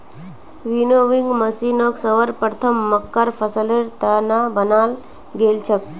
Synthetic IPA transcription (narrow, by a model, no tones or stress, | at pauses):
ʋinoʋiŋɡməsinoksəʋəɾpəɾt̪ʰəmːəkːaɾfʰəsəleɾt̪ənabənal | ɡelt͡ʃʰək̪̚